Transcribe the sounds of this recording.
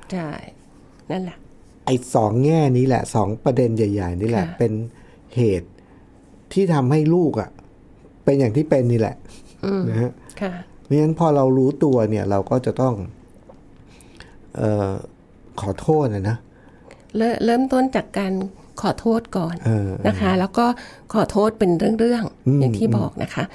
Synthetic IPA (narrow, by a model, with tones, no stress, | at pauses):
t͡ɕʰa˥˩j | na˥˩lɛ˧˩ʔ | ʔa˧˩jsɔː˩˦ŋːɛː˥˩niː˦˥lɛ̰˨˩ʔsɔː˩˦ŋpɾa˧de˧nja˨˩ja˨˩jniː˦˥lɛ˨˩˧ʔpe˧n | heː˨˩t̪̚ʰː | iː˥˩t̪ʰa˧mha˥˩jluː˥˩k̚ʔa̰˨˩ʔ | pe˧njaː˨˩ŋt̪ʰiː˥˩pe˧nːiː˧˥˩lɛ̰˨˩ʔʔːna˦˥ha˦˥ʔ | kʰa˥˩ma˦˥ŋa˦˥npʰɔː˧ɾa˧wɾuː˦˥t̪u˧ɐni˥˩ɐɾa˧wkɔː˥˩t͡ɕa˨˩t̪ɔ˥˩ŋ | ʔɤː˨˩ | kʰɔː˨˩˦t̪ʰoː˥˩t̪̚ʔa˨˩na˦˥ | ɾɤː˥˩ɾɤː˥˩mt̪o˥˩nt͡ɕaː˨˩kːaː˧n | kʰɔː˨˩˦t̪ʰoː˥˩t̪̚kɔː˨˩nʔɤː˧a˦˥kʰa˦˥lɛː˦˥wkɔː˥˩kʰɔː˨˩˦t̪ʰoː˥˩t̪̚pe˧nɾɯ˥˩əŋɾɯ˥˩əŋʔɯ˧aː˨˩t̪ʰiː˥˩bɔː˨˩k̚nʔa̰˦˥kʰa˦˥ʔ